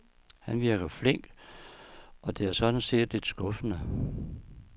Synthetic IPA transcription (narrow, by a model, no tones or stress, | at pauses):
hænʋiɐɡ̥ɐfle̝ŋ̰ɡ̥ | ʔɒ̽d̥e̝æɐsɒ̽d̥n̩se̝̰ːd̥le̝d̥sɡ̥ɔfənə